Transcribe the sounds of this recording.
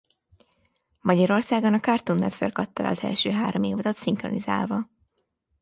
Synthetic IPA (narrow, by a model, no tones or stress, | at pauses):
mɒɟɒɾo̞rsaːɡonɒkɒrt̪unːɛ̰t̪fḛːrkɒt̪ːɒlɒ̰ɒzɛ̰lʃøːɦaːɾomeːvod̪ɒt̪siŋkroniza̰ːlvɒ